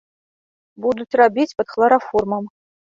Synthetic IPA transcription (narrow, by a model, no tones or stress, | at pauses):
bud̪ut̪ʰrabʲit͡sʲpɐt̪χlˠɐɾaformɐm